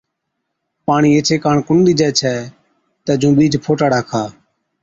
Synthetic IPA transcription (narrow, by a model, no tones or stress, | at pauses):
paːɳiːeːt͡ʃʰeːkaːɳkʊɳɗ̪iːd͡ʒɛːt͡ʃʰɛː | t̪ɛːd͡ʒũːɓiːd͡ʒpʰoːʈaːɽaːkʰaː